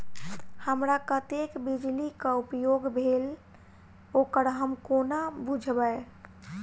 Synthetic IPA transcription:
həmɾakət̪ekbid͡ʒlikaupjoɡbʱel | okəɽɦəmkonabud͡ʒʱbəe

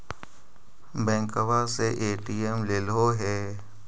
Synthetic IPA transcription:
bɛ̃ːkəʋaseʔeːʈiemleloɦɛː

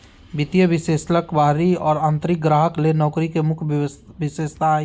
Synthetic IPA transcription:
bɪt̪ijəbɪseːsləkbaːɾiɔːɾãːnt̪ɾɪk̚ɡɾaːɦəklenɔːkɾikemʊkʰbɪseːst̪a

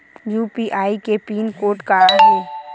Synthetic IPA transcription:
juːpiʔaːikepiːnkoːʈkaɦẽː

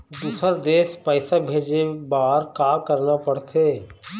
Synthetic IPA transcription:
d̪uːsəɾd̪eːʃpəɪsabʱeːd͡ʒebaːɾkaːkəɾnapəɽt̪ʰeː

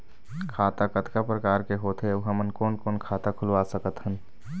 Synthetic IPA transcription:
kʰaːt̪akət̪kapɾəkaːɾkeɦoːt̪ɦeʋɦəmənkoːnkoːnkʰaːt̪akʰʊlʋaːsəkət̪ɦən

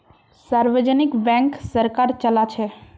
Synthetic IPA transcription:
saɾʋəd͡ʒənɪkbɛ̃ŋksəɾkaɾt͡ʃəlat͡ʃʰe

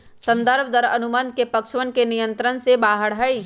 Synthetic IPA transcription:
sə̃nd̪əɾbʱd̪əɾɐnʊmənd̪̚kepɐkʃʋənkenijə̃nt̪ɾənsebaːɦəɽɦəi

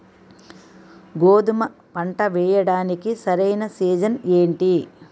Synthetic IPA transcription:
ɡoːd̪umɐ | pɐɳʈɐʋɛːjɐɽaːnikisɐɾɐjnɐsiːd͡ʒɐneːɳʈi

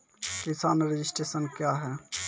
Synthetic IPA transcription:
kisaːnɾed͡ʒɪsʈɾeːsənkjaɦɛː

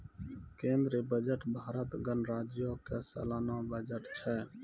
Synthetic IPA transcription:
kẽːnd̪ɾebəd͡ʒəʈbʱaːɾət̪ɡənɾaːd͡ʒjoːkesə̰laːnãːbəd͡ʒəʈt͡ʃʰɛː

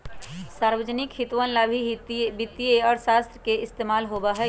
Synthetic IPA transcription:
saɾwəd͡ʒənikɦit̪ʋənlabʱibit̪ːieɔːɾsast̪ɾəkeɪst̪emaːlɦobəɦɛ

